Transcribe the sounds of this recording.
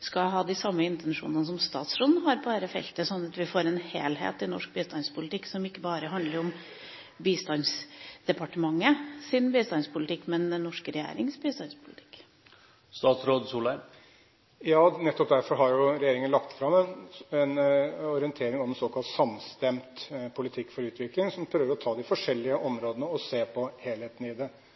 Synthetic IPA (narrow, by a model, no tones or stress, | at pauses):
skɑɦɑːd̪ɪsɑmːəɪnt̪ɛnʂṵːnənəs̬ɔmst̪ɑ̰ːt̪sɾɔnɦɑɾbæːɾəfɛ̰lt̪əsɔnːɑt̪ʋɪfoːɾɛnheːlɦḛːt̪ɪnɔ̰ʂk̚biːst̪ɑnspʰʊlɪt̪ɪksɔmɪkːəbɑːɾəɦɑnd̪ləɾɔm | biːst̪ɑnsd̪̥ɛpɑʈəmɑŋːəsɪnbiːst̪ɑnspʰʊlɪt̪ʰɪkːmɛnd̪ɛnːɔʂkɾɛjḛːɾɪŋsbiːst̪ɑnspʰʊlɪt̪ʰɪ̥k | st̪ɑːt̪sɾoːd̪suːlə | jɑːnɛt̪ːɔp̚d̪æɾfɔɾɦɑɾjʊɾɛjeːɾɪŋənlɑkt̪fɾɑmɛnɛnɔɾɪɛnt̪ʰeːɾɪŋɑʋsoːkʰɑlt̪sɑmst̪ɛmt̪pʰʊlɪt̪ʰɪkːfɔɾʉːt̪ʰʋɪklɪŋsɔmpʰɾøːʋəɾɔt̪ʰɑːd̪ɪfɔʂɛlːɪəʔɔmɾoːd̪ənəɔseːpʰɔheːlheːt̪n̩ɪd̪ɛ